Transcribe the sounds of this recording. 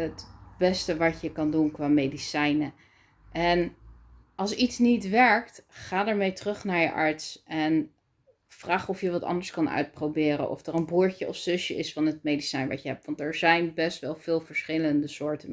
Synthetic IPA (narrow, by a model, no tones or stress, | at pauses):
ɦətbɛstəʋɑcjəkɑndunkʋaːmejdisɛjnə | ʔɛn | ɑlˠsitsnitʋɛɹktχaːdaːɹmejtərɵχnaːɹjə̰ʔɑɹtsɛn | fraːχɔfjəʋɑtɑ̰ndəɹskɑnœ̰ɥt̚prowbɪːɾə̰nʔɔ̰fdərənbuːɹcəʔɔfsʏʃjəɪsfɑnɦət̚mejdisɛjnʋɑ̰tjəɦɛp̚tʋɑntɛɹzɛjnbɛstʋɛlˠv̥ɪːlˠvəɹsχɪləndəsʊːɹtən